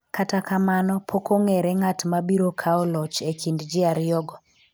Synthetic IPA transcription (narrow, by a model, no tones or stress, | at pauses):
katakamanɔpʰokoŋɛɾɛŋatmabiɾokʰaɔlɔt͡ʃekʰindd͡ʒɪaɾjɔɡɔ